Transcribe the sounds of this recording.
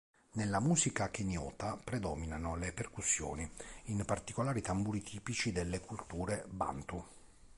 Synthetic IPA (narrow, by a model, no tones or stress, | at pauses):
nelːamuːzikak̟enjɔːt̪apɾɛd̪ɔːminanoleperkusːjɔ̰ːniinpart̪ikolaːɾit̪ambuɾit̪ʰiːpit͡ʃid̪elːekult̪uːɾeba̰nt̪u